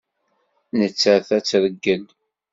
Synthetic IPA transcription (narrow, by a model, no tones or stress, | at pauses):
nət͡sːəɾθæt͡sːɾəɡːən